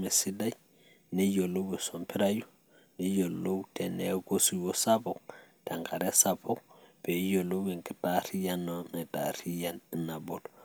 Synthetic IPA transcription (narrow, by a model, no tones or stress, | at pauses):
mɛsidaj | nɛjolːowɛsɔmpiɾaju | nɛjolːowtɛnɛɡosiwɔsapɔktaŋkʰaɾɛsapɔkpɛjolowɛŋkɛtaɾijanːɔnɛta̰ɾijanɛnabɔdɔ